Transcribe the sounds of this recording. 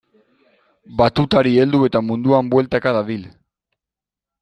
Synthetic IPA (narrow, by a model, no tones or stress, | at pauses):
bat̪ut̪aɾie̞ld̪ue̞t̪amund̪uambwe̞lt̪akaðaðil